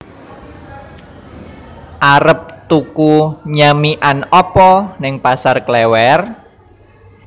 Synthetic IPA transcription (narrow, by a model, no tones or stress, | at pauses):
ʔaɾəp̚t̪ukuɲamiʔanɔpɔnɪŋpasarklɛwɛr